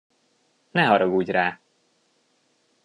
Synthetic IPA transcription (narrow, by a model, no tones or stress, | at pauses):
nɛɦɒɾɒɡuːɟraː